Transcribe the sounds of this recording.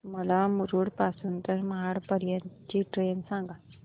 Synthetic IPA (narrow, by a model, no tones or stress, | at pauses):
məlamuɾuːɽpasuːnt̪əɾməɦaɽpəɾjət͡ɕiʈɾensãŋɡa